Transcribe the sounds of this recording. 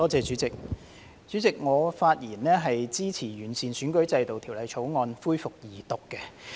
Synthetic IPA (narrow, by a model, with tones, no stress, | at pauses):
t̪ɔː˥t͡sɛː˨˧t͡sy˨˥t͡sɪ˨k̚ | t͡syː˨˥t͡sɪ˨k̚ŋɔː˨˧faː˧t̚jiː˨˩nlɛː˥ɦɐ˨jt͡siː˥t͡sʰiː˨˩ɥyː˨˩nsiː˨nsyː˨˥nkɵ˨˥ɥt͡sɐ˧jt̪o˨wt̪ʰi˨˩wlɐ˨˧jt͡sʰo˨˥wŋɔː˧nfuː˥jfʊ˨k̚jiː˨˩t̪ʊ˨kːɛ˧